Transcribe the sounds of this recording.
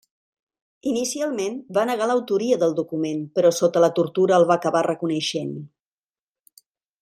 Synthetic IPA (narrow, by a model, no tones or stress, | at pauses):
inisialˠmenbanəɣaləwt̪uɾiəðəlˠd̪ukumenpəɾɔsot̪ələt̪uɾt̪uɾəːlˠβaːkəβarəkunəʃen